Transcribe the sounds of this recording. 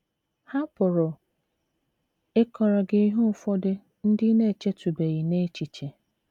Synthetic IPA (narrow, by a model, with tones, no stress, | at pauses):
ha˦pʊ˨ɾʊ˨ | e˦kɔ˨ɾɔ˨ɡɪ˨˦i˦ɦu˦˨fɔ˦dɪ˦ | n̩˦dɪ˦ne˦˨t͡ʃe˦tu˨be˨ɣi˨ne˦t͡ʃi˨t͡ʃe˨